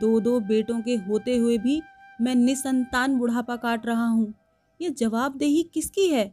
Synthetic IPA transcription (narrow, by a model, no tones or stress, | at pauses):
d̪oːd̪oːbeːʈõkeɦoːt̪eɦʊebʱimɛ̃ːnɪsɐ̃nt̪aːnbʊɽ̤apakaːʈɾɐɦaɦũː | jeːd͡ʒɐʋaːb̚d̪eːɦikɪskiɦɛː